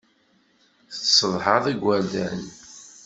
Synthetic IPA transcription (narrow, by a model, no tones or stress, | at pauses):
θə̥t͡ssəðˤħəðˤəɡʷːæɾd̪æ̰n